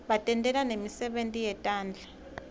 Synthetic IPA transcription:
ɓatʼɛntʼɛlanemisɛɓentʼijɛtʼaːnd͡ɮʱa

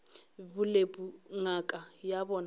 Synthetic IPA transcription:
bʊlepʼuŋakʼajabɔn

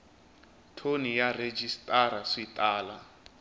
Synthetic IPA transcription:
tʰonijared͡ʒistʼaɾaʂitʼaːla

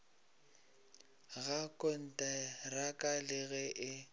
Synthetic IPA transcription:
ɣakʼɔn̩tʼarakʼalɪɣɛʔɪ

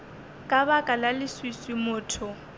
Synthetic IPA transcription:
kʼabakʼalalɪswiswɪmʊːtʰʊ

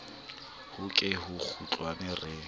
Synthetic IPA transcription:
hʊkʼɪɦʊk͡xʰut͡ɬʼwanɛrɪ

